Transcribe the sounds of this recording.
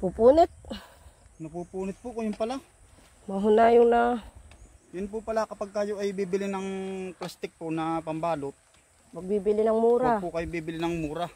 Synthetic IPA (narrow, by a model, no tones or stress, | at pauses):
pupuːnɪt̪̚ | nɐpupuːnɪt̪̚pʊkojʊnpɐla | mɐɦʊnajʊŋnɐ | jʊnpʊpɐlakɐpaɡ̚kaːjoʔajbiːbɪlɪnɐŋplast̪ɪk̚ponɐpɐmbaːlot̪̚ | mɐɡ̚bibɪlɪnɐŋmuːɾapʊkɐjobiːbɪlɪnɐŋmuːɾɐ